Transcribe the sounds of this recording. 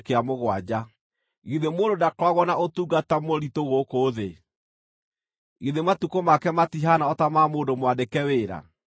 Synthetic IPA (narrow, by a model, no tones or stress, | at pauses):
keamoɣwad͡ʑa | ɣiðemoːndodakwaɣwɔnaʔotuɡatamoɾitoɣokoːðe | iðematukomakɛmatiɦanaɔtamamoːndomwadekɛweːɾa̰